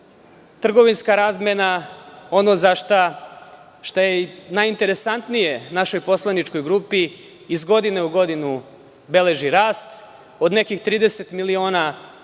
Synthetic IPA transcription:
t̪r̩ɡo̞ʋinskaɾazmenao̞no̞zaʃt̪a | ʃt̪ajenajint̪e̞ɾe̞sant̪nije̞naʃo̞jpo̞slˠanit͡ʃko̞jɡɾuːpiː | zɡo̞d̪ineuɡo̞d̪inu | be̞le̞ʒiɾaːst̪ | o̞d̪nekixt̪ɾiːd̪e̞se̞t̪milio̞ːna

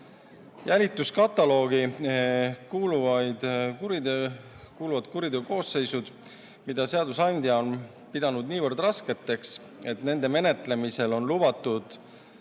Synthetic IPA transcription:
jælʲit̪ːˑuskɑt̪ːˑɑlo̞ːɡ̥i | kuːluvɑjd̪̥kuɾid̪ | kuːluvɑd̪̥kuɾid̪euko̞ːsːe̞jsud̪̥ | mid̪̥ɑse̞ɑd̪usɑnʲd̪jɑo̞n | pid̪ɑnud̪niːvɤrd̪rɑske̞t̪ːˑe̞ks | e̞t̪ne̞nd̪e̞me̞ne̞t̪le̞mise̞lo̞nlub̥ɑt̪ːˑud̪̥

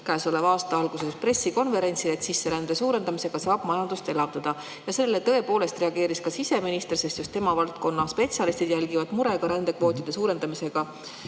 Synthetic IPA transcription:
kæːso̞le̞vɑːst̪ɑɑlɡ̥use̞spre̞sːiko̞nve̞ɾe̞nʲt̪sile̞t̪sisːe̞ɾænd̪̥e̞suːɾe̞nd̪ɑmise̞ɡ̥ɑsɑːb̥mɑjɑnd̪̥ust̪e̞lɑvd̪̥ɑd̪̥ɑ | jɑse̞lːe̞t̪ɤ̞e̞po̞ːle̞st̪re̞ɑɡ̥e̞ːɾiskɑsise̞minist̪erse̞st̪just̪e̞mɑvɑlt̪̚ko̞nːɑspe̞t̪siɑlist̪id̪̥jælɡ̥ivɑd̪muɾe̞ɡ̥ɑɾænd̪̥e̞kvo̞ːt̪ˑid̪̥e̞suːɾe̞nd̪̥ɑmise̞ɡ̥ɑ

